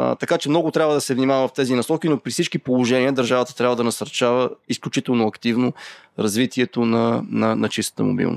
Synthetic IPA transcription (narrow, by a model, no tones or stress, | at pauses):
t̪ɐkat͡ʃɛmnɔɡʊt̪ɾʲabvəd̪ɐsɛvnimavɐvɐft̪ɛzinɐsɔkinopɾifsit͡ʃkipolˠoʒɛniəd̪ɐɾʒavət̪ə̥t̪ɾʲabvəd̪ɐnɐsɐɾt͡ʃavəisklʲut͡ʃit̪ɛlˠnoɐkt̪ivnoɾɐzvit̪iɛt̪onɐnɐnɐt͡ʃist̪ə̥t̪ə̰mo̰bḭlˠno̰st̪